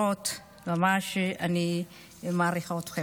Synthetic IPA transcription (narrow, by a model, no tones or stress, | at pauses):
ot̪ | mamaʃani | maːɾiχot̪χe